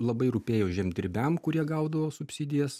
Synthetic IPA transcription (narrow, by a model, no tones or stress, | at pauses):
lˠɐbɐɪɾʊpʲeːjoːʒʲɛmʲd̪ʲɪɾʲbʲɛmkʊɾʲiɛɡɐˑʊd̪ɐʋoːsʊpʲsʲɪd̪ʲɪjɛs